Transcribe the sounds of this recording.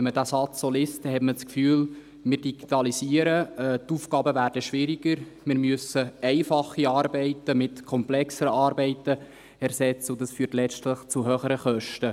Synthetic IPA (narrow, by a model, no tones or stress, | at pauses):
ɛnmədæːsɑt͡ssoːliːst̚d̥ɛhɛtmət͡skfyːl | mɪːɾd̥iɡ̥itɑlisiːəɾəɛtuːfkɑːbəvæːɾd̥əʃʋɪɾiɡ̥əɾmɪːɾmøsəɛɪfɑχːiɑːɾbɛɪtəmɪtkʰɔmplɛksəɾəɑːɾbɛɪtə | ɛɾsɛt͡səʊdɑsfyːtlɛt͡ʃtləχt͡suɦøːχəɾəχœʃtə